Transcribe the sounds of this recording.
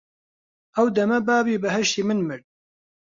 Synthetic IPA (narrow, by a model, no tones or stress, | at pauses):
ʔɐwd̪ɐmɐbaːbiːbɨɦɛʃt̪iːmɨnmɨɾ